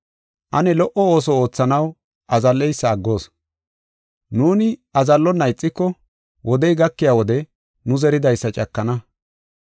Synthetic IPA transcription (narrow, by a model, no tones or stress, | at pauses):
ʔɐnɛlɔʔɔoːs̬ɔo̞ːt͡sːɐnɐw | ʔɐzɐlːɛjsːɐːɡːo̞ːs | nuːnɪɐzɐlːɔnːɐjɪt͡sʼːɪkːɔ | wʔɔd̪ɛjɡɐkːɪjaːwɔd̪ɛ | nʊzɛɾɪd̪ɐjsːɐt͡ʃʼɐkːɐnɐ